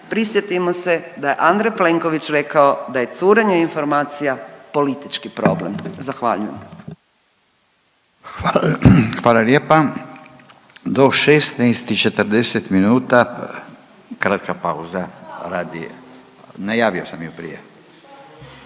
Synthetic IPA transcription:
pɾisjet̪imose̞d̪aje̞ʔand̪ɾejple̞ŋkoʋit͡ʃɾe̞kaod̪aje̞t̪suːɾeɲeinfo̞ɾmaːt̪sijapo̞lit̪it͡ʃkipɾo̰blḛmzaxʋa̰ːʎujem | xʋaːlaljeːpa | d̪oʃest̪najst̪it͡ʃe̞t̪əɾd̪eset̪minuːt̪a | kɾat̪kapauzaɾaːd̪ḭ | najaːʋiosamjupɾḭjḛ

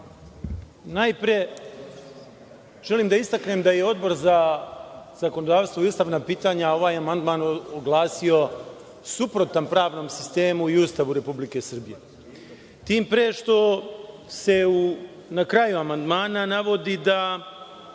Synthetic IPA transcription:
najpɾe | ʒ̥e̞liːmd̪aist̪akne̞md̪aje̞o̞d̪bo̞ɾza | z̥ako̞nod̪aːʋst̪ʋoiust̪aʋnapiːt̪aːɲao̞ʋaːjamand̪maːnoɡlˠaːsio̞ | supɾo̞t̪anpɾaːʋno̞msi̥st̪e̞ːmuiust̪aʋuɾe̞publike̞sr̩bije̞ | t̪iːmpɾeʃt̪o̞ | se̞u | nakɾajuamand̪maːnanaʋo̞d̪id̪a

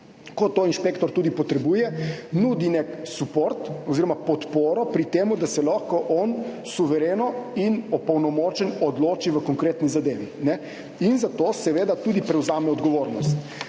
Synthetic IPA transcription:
kɔt̪oːinʃpeːkt̪ɔɾt̪uːd̪ipɔt̪ɾɛbuːjɛnuːd̪ineksupoːɾt̪ɔziːɾɔmapɔt̪poːɾɔpɾit̪eːmud̪asɛlaxkɔʔɔn | suʋɛɾeːnɔinɔpɐwnɔmoːt͡ʃɛnɔd̪loːt͡ʃiʋəkɔŋkɾeːt̪nizad̪eːʋinɛ | inzat̪oːsɛʋeːd̪at̪uːd̪ipɾɛwzaːmɛɔd̪ɡɔʋoːɾnɔst̪

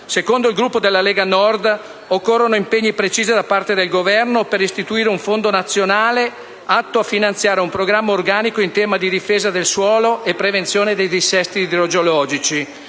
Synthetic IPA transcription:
sekond̪oilɡɾupːod̪elːaleːɡanɔrd̪ | okːorːonoimpeɲːipɾet͡ʃiːzid̪apart̪ed̪elɡovɛrnopeɾist̪it̪uiːɾeuɱfond̪onat̪sːjonaːle | at̪ːoafːinant̪sjaːɾeumpɾoɡɾamːaorɡaːnikoint̪ɛːmad̪id̪ifeːzad̪elswɔːloʔepːɾevent̪sjoːned̪ejd̪isɛst̪iːd̪ɾod͡ʒolɔːd͡ʒit͡ʃi

